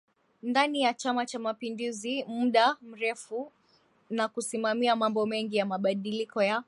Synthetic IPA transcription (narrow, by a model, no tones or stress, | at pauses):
ndanijat͡ʃamat͡ʃamapinduzimuɗam̩ɾɛfu | nakusimamiamambɔmɛŋɡijamaɓaɗilikɔja